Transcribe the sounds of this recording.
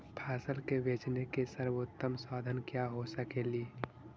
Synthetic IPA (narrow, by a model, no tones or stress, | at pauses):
pʰaːsəlkebeːt͡ʃnekesəɾʋot̪ːəmsɔːd̪ʱənkjaɦosəkeliː